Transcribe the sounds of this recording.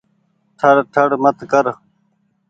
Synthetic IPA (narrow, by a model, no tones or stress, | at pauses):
ʈʰɐɾʈʰɐɽmət̪kəɾ